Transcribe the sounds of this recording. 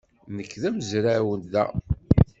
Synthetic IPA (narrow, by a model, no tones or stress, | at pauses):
nəkːðæməzɾæwənd̪æ̰